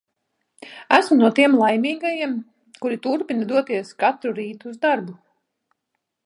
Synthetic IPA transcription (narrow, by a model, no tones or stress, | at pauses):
æsmunuɔt̪iɛmlˠajmiːɡajiɛm | kuɾit̪uɾpinɐd̪uɔt̪iɛskat̪ɾuɾiːt̪uːzd̪aɾbu